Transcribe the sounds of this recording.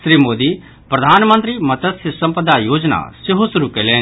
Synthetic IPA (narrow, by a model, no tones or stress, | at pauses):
sɾiːmoːd̪i | pɾɐd̪ʱaːnmə̃nt̪̬ɾimɐt̪əsɪsɐ̃mpəd̪ajoːd͡ʒna̰sɪɦosɐɾukelẽ